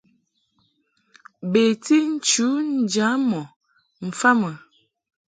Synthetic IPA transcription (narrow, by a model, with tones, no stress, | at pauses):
be˨ti˦n̩˦t͡ʃu˨˦n̩˨d͡ʒa˨˦mɔ˨ | m̩˨fa˦mə˨